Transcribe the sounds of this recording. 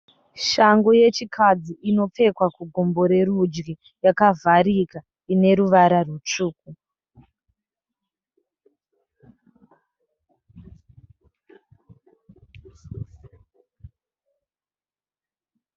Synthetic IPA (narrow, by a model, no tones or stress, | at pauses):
ʃaŋɡoje̞t͡ʃikʰad͡ziino̞p͡fe̞kwakuɡʱo̞mbo̞ɾe̞ɾud͡ʒɡi | jakavʱaɾika | ine̞ɾuʋaɾarut͡ʂuːku